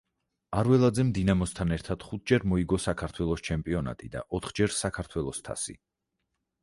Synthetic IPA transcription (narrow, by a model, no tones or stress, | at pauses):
aɾwɛlˠad̪zɛmd̪inamɔst̪ʰanɛɾt̪ʰad̪̥χut̪̚ʰd͡ʒɛɾmɔiɡɔsakʰaɾt̪ʰwɛlˠɔst͡ʃʰɛmpʼiɔna̰t̪ʼid̪a̰ʔɔt̪ʰχd͡ʒɛɾsakʰaɾt̪ʰwɛlˠɔst̪ʰa̰sḭ